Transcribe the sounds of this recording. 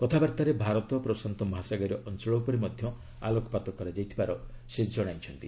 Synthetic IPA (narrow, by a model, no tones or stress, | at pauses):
kɔt̪ʰabaɾt̪aɾebʱaɾɔt̪ɔpɾɔsant̪ɔmɦasaɡɔɾɔʔɔnt͡ʃɔɭɔwpɔɾimɔd̪ʱjɔ | a̰lokɔpat̪ɔkɔɾad͡ʒajt̪ʰibaɾɔsed͡ʒɔɽ̃ajt͡ʃʰɔnt̪i